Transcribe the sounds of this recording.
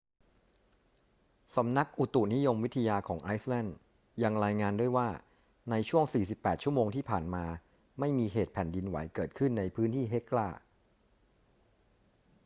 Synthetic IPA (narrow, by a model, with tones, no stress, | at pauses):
sa˩˦mna˦˥k̚ʔu˨˩t̪u˨˩ni˦˥jo˧mwi˦˥t̪ʰa˧jaː˧kʰɔː˩˦ŋʔaː˦˥jslɛ˥˩nd | ja˧ŋɾaː˧jŋaː˧ndu˥˩əjwaː˥˩ | na˧jt͡ɕʰu˥˩əŋsiː˨˩si˨˩pːɛː˨˩t̪̚t͡ɕu˥˩əmoː˧ŋt̪ʰiː˥˩pʰaː˨˩nmaː˧ | ma˥˩jmiː˧ɦeː˨˩t̪̚pʰɛ˨˩ndi˧nwa̰˨˩˦jkɤː˨˩t̪̚kʰɯ˥˩nːa˧jpʰɯː˦˥nt̪ʰiː˥˩ɦe˦˥klaː˥˩